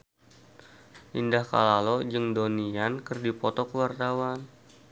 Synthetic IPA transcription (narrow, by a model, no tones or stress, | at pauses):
ʔindahka̰lalod͡ʒəŋdoniankərdipɔt̪ɔkəwart̪awan